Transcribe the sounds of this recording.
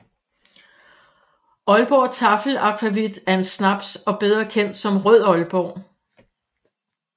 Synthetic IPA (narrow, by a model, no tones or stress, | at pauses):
ɒ̽lb̥ɒːt͡sʰɑ̈fl̩ɑ̈kʰʁæʋid̥æɐe̝nsnɑ̈b̥sɒ̽b̥eð̞ˠʁɐkʰen̰d̥sɒ̽mʁœð̰ˠɒ̽lb̥ɒ̰ː